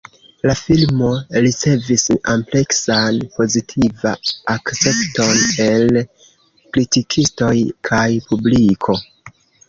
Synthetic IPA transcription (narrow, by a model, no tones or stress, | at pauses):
lafilmo̞ɾit͡se̞visample̞ksanpo̞zitʰivaakt͡se̞pto̞ne̞l | kɾitikʰisto̞jkʰajpublikʰo̞